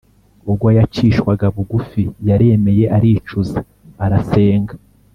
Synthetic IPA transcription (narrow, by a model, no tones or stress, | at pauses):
uɡwajat͡ʃiːʃwaɡaβuɡufijaɾeme̞je̞ʔaɾiːt͡ʃuza | aɾase̞ːŋɡa